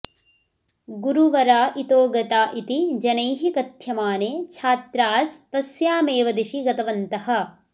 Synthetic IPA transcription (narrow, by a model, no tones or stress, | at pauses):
ɡuɾuʋɐɾaːʔit̪oːɡɐt̪aːʔit̪id͡ʒɐnɐjɦikɐt̪jɐmaːneːt͡ʃʰaːt̪ɾaːsp̪ɐsjaːmeːʋɐd̪iʃiɡɐt̪ɐʋɐnt̪ɐhɐ̆